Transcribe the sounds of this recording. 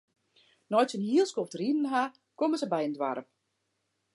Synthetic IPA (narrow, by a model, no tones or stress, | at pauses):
nɔjtsənhiəlˠskoftridn̩ɦa | koməsəbɛjəndwa̰ɾəp